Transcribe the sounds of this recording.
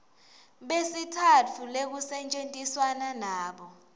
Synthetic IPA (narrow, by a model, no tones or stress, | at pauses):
ɓesitʰatʰulek̬usɛnt͡ʃʼentʼiswananaːɓɔ